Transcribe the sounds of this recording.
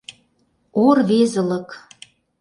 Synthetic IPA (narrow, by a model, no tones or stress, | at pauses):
orβezə̆lə̆k